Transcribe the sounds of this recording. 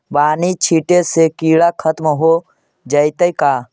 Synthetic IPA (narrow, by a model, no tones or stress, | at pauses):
baːnit͡ʃʰiʈesekiːɽakʰət̪məɦo | d͡ʒəjt̪əjkaː